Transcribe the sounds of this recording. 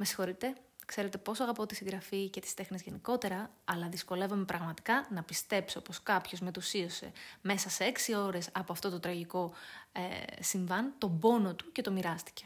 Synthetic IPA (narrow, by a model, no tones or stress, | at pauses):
me̞si̥xo̞ɾit̪e̞kse̞ɾe̞t̪e̞po̞soɐɣɐpo̞t̪isiŋɣɡɾɐfice̞t̪i̥st̪e̞xnizʝe̞niko̞t̪e̞ɾɐːlɐðisko̞le̞vome̞pɾɐɣmɐt̪i̥kɐnɐpist̪e̞psio̞̰po̞skɐpço̞zme̞t̪usio̞se̞̰me̞sɐseeksio̞ɾe̞sɐpo̞ɐft̪o̞t̪ot̪ɾɐʝiko̞esiɱvɐnt̪o̞bo̞no̞t̪u̥ce̞t̪o̞miɾɐst̪i̥ce̞̥